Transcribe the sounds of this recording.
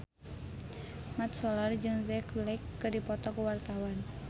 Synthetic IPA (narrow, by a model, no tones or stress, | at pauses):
mat̪sɔlard͡ʒɨŋzɛklakːɨrdipɔt̪ɔkuwart̪awan